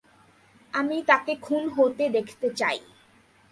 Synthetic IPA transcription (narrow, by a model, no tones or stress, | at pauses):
amit̪akekʰunɦot̪ed̪ekʰt̪et͡ɕa̰j